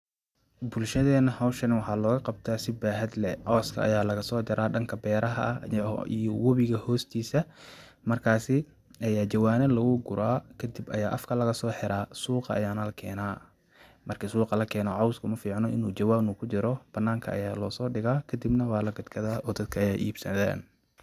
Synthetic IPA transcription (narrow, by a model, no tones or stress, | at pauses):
bʊlʃɐðɛːnɐhɐwʃɐnɪwɑħɑːlɔːɣɐqɑb̚t̪ʰaːsɪbaːɦɐd̪lɛʕɔwskʰɐ̰ʔɐ̰jaːlɐɣɐsɔːd͡ʒɐɾʔaːɖɐŋkʰɐbɛːɾɐɦɐ̰ʔḭjɔwɔβɪɣɐhɔːst̪ʰiːsɐ | mɐrkʰaːsɪ | ʔɐjaːd͡ʒɐwaːnɐlɐɣʊɡʊɾaːkʰɐd̪ɪbɐjaːʔɐfkʰɐlɐɣɐsɔːħɛɾaːsuːqɑʔɐ̰jaːnɐlɐkʰɛːnaː | mɐrkʰɪsuːqɑlɐkʰɛːnɔʕɑwskʰʊmɐfiːʕnɔʔɪnuːd͡ʒɐwaːnuːkʰʊt͡ʃɪɾɔb̥ɐnːaːŋkʰɐ̰ɐ̰jaːlɔːsɔːɖɪɣaːkʰɐd̪ɪbnɐwɑːlɐɡʊd̪kʰɐðaːɔːd̪ɐd̪̚kʰɐɐjaːʔiːb̥sɐ̰ða̰ːn